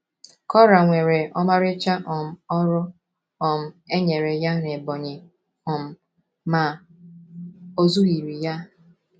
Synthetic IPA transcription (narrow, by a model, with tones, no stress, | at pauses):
kɔ˦ɾa˨ŋʷe˨ɾe˨ɔ˦ma˦ɾɪ˦t͡ʃa˦ʔɔ˨m̩˨ɔ˦ɾʊ˦ | ɔ˨m̩˦e˦ɲe˨ɾe˨ja˦ne˨bɔ˨ɲɪ˨ | ʊ˨m̩˨ | ma˨ | o˦zu˦ɣi˨ɾi˨ja˦